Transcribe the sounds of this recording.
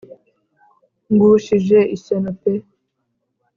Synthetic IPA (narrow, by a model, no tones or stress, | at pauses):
ŋɡuʃiʒeisenope